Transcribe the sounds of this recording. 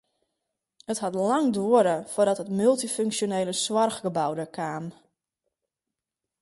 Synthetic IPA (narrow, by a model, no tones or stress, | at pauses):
əthɔtlaŋdoəɾəfʊrdɔtɦətmylˠtiføŋksjoneːləswɔrɣɡəbawdəkʰaːm